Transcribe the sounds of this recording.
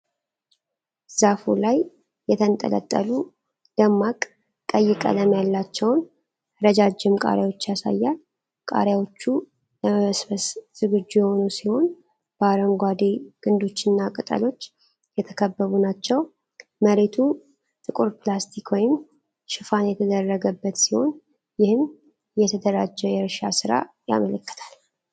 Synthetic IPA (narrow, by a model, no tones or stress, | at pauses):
zafulajː | ɛt̪ʰənt̪ʼə̰lə̰t̪ʼːə̰lu | d̪̥əmːakʼ | kʼəjːɪkʼə̰ləmjalːat͡ʃːɛwn | ɾəd͡ʒad͡ʒːɪmkʼa̰ɾjawo̞t͡ʃːjasa̰jːal | kʼa̰ɾjawo̞t͡ʃːu | ləməβəsbəsz̥ɨɡɨd͡ʒːujɛho̞nusiho̞n | b̥əaɾəŋɡʷad̪eɡ̥ɨnd̪o̞t͡ʃːɨnːakʼɨt̪ʼə̰lo̞t͡ʃː | jɛt̪ʰəkʰəbːəβunat͡ʃːɛw | məɾet̪ʰu | t̪ʼɨkʼuɾplast̪ʰikwɔjɪm | ʃɨfanjɛt̪ʰəd̪ərːəɡəbːət̪siho̞̰n | jɪhɨm | jɛt̪ʰəd̪əɾad͡ʒːɛjɛɾʃa̰sɨɾa̰ | ja̰mələkːɨ̥t̪ʰal